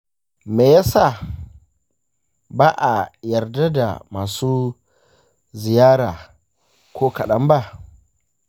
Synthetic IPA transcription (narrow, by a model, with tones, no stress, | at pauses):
meː˨ja˦saː˦˨ | baː˦ʔa˨jɐ˨rda˦da̰˨maː˨suː˦ | zɪ˨jaː˦ɽaː˨ | kʷoː˦kɐ˨ɗɐ˦mba˦ʔ